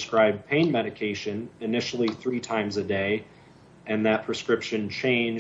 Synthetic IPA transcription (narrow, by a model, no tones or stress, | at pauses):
skɹaɪb̚pʰẽɪ̃nmɛɾɨkʰeɪʃɨ̃nɨnɪʃl̩ˠiθɹitʰãɪ̃mzɨdeɪ | ʔɨ̃nðɨt̚pʰɹ̥ɨskɹɪpʃɨ̃nt͡ʃʰẽɪ̃n